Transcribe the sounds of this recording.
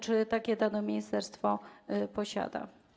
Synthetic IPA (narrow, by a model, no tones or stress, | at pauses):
t͡ʂɘt̪akʲɛd̪anɔmʲejst̪ɛɾst̪fɔpɔɕa̰d̪a̰